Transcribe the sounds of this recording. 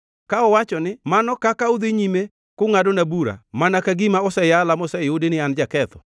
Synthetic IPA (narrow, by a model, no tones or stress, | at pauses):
kaɔwat͡ʃɔnɪmanɔkakaʊd̪eɲime | kʊŋadonabuɾa̰manakaɡimaɔsɛjalamɔsɛɪʊdɪnɪand͡ʒakɛt̪ɔ̰